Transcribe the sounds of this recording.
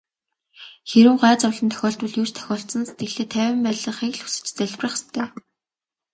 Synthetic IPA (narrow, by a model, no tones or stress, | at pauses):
xeɾɘ̆ŋɢæːt͡sɔwɮə̆nt̪ʰœ̥xʲɔːɬt̪̚pʊ̆ɮjuːt͡ɕt̪ʰœ̥xʲɔːɬt̪sə̆nset̪̚ɡɘ̆ɮeːt̪ʰæːwʲɪ̆mpæːɮə̆ɴχiɣɮxu̥sɘ̆t͡ɕt͡sæɮʲprə̆χe̥st̪ʰæː